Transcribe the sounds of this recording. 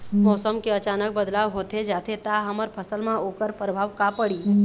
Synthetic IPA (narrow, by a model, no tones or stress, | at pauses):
mɔːsəmkeət͡ʃaːnək̚bəd̪laːʋɦoːt̪ed͡ʒaːt̪ʰet̪aɦəməɾpʰəsəlmãoːkəɾpɾəbʱaːʋkapəɽiː